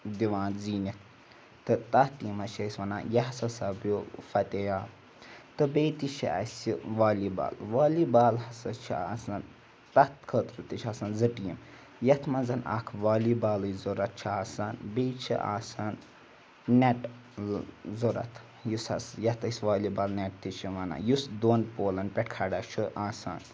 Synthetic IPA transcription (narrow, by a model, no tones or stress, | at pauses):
d̪iʋaːnziːnit̪̚ʰ | t̪ɨt̪ɐt̪iːmɐʃʰɐsʲʋɐna̰ːjɐɦsɐsabjofɐt̪ejaː | t̪ɨbeːt̪iʃʰiɐ̰siʋaːliba̰ːlʋaːlibaːlɦɐsɐt͡ʃʰia̰ːsɐn | t̪ɐt̪kʰət̪ɾɨt̪it͡ʃʰasɐnzɨʈiːm | jɐt̪ʰmɐnzɐnʔa̰kʰʋaːlibaːlɨzuɾɐt̪̚t͡ʃʰiaːsanbet͡ʃʰḭʔa̰ːsan | neʈ | zuɾɐ̰t̪ʰ | jushɐ̰sjɐt̪ɐsʲʋaːlibaːlneʈ̚t̪it͡ʃʰiʋɐna̰jusd̪oːnpoːlɐnpʲɛʈ̚kʰaɖat͡ʃʰiʔaːsa̰ːn